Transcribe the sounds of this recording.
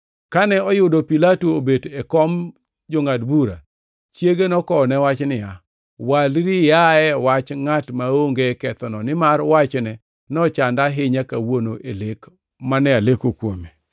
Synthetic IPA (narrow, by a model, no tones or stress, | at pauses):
kanɛɔjʊdopilatoobedɛkɔm | d͡ʒoŋadbuɾa̰ | t͡ʃjeɡenɔkɔnɛwat͡ʃnɪja | walɾɪjaɛwat͡ʃŋatmaoŋɡekɛt̪ɔnɔnɪmarwat͡ʃnɛ | nɔt͡ʃandaɦɪɲakawonoʔelek | manɛalekokwome